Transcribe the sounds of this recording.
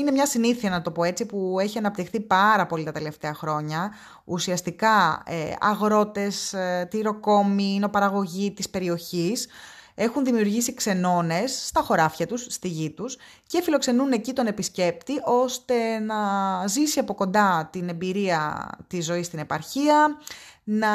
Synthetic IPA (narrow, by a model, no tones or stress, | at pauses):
inemɲɐsiniθiɐnɐt̪o̞po̞e̞t͡sipue̞çiɐnɐp̚t̪ixθipɐɾɐpo̞lit̪ɐt̪e̞le̞ft̪e̞ɐxɾo̞ɲɐ | usiɐst̪ikɐ̰ɐ̰ɣɾo̞t̪e̞st̪iɾo̞ko̞mino̞pɐɾɐɣo̞ʝit̪ispe̞ɾio̞çise̞xunðimiuɾʝisikse̞no̞ne̞sːt̪ɐxo̞ɾɐfçɐt̪ust̪iʝit̪us | ce̞filo̞kse̞nune̞cit̪o̞ne̞pisce̞pt̪iʔo̞st̪e̞nɐzisiɐpo̞ko̞nd̪ɐt̪ine̞mbiɾiɐt̪izːo̞ist̪ine̞pɐɾçiɐ | nɐ